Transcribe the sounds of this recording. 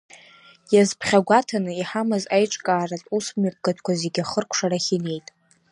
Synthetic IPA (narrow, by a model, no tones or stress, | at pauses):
jazpʰχʲaɡʷatʰanɨiħamɨzajʈ͡ʂʼkʼaːratʼusmap̚ʰɡʼatʰkʷazeɡʲaχərkʷʰʂaɾaχʲine̞jtʼ